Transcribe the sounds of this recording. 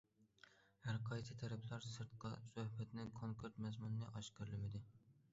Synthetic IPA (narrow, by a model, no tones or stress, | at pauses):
hæɾqʰɑjsɪt̪ʰæɾæpʰlæɾsɨɾt̪̚qʰɑsohbæt̪nɪŋkʰoŋkʰeɾt̪mazmʊnnɪʔɒʃkʲɨɾlɪmɪd̪ɪ